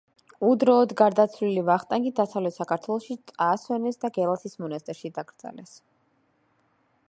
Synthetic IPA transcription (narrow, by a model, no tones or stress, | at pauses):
ud̪ɾɔːd̪ɡaɾd̪at̪sʰlilivaχt̪ʼaŋɡid̪asavlɛt̪ʰsakʰaɾt̪ʰwɛlˠɔʃit̪sʼasɛnɛsd̪aɡɛlˠasʰismɔnast̪ʼɛɾʃid̪aɡɾd̪z̥a̰lɛs